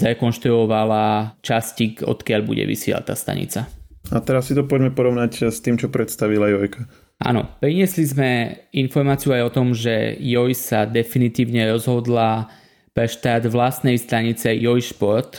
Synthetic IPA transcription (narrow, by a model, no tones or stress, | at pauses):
zɾɛkɔnʃt̪ɾuɔʋalat͡ʃascikɔ̰t̪kɪaʎbṵɟɛ̰ʋḭsɪɛ̰la̰t̪ːaːst̪a̰ɲḭt͡saat̪ɛɾasːit̪ɔpɔɟmɛpɔɾɔʋnacst̪iːmt͡ʃɔpɾɛt̪st̪aʋilajɔjka | a̰nɔ̰pɾiɲɪɛslizmɛinfɔɾmaːt͡siuajɔt̪ɔmʒɛ̰jɔjsad̪ɛfinit̪iːʊɲɛɾɔzɦɔd̪la | pɾɛʃt̪ad̪ʋlast̪nɛjst̪aɲit͡sɛjɔjʃpɔɾt̪